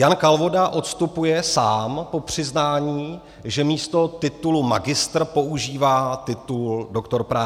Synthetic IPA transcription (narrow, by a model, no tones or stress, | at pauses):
jankalvo̞daʔo̞t̪st̪upujɛsaːmpo̞pr̝̥ɪznaːɲiː | ʒɛmiːst̪o̞t̪ɪt̪ulumaɡɪst̪rpo̞ʔuʒiːvaːt̪ɪt̪uldo̞kt̪o̞ɾpɾaː